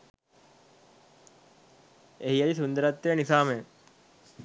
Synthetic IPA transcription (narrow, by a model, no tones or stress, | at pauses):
eɦiɐlisund̪əɾɐt̪ːejənisaːme